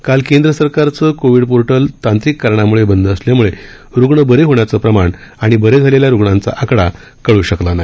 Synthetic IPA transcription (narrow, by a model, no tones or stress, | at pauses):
kalkẽnd̪ɾəsəɾkaɾt͡səkoʋiɽpoɾʈəlt̪ãnt̪ɾikːəɾɳ̃amuɭebənd̪əəsljamuɭe | ɾuɡɳəbəɾeɦoɳjat͡səpɾəmaɳaɽ̃ibəɾed͡zʱaleljaɾuɡɳãnt͡sa̰ʔakɽa | kəɭuːɕəklanaj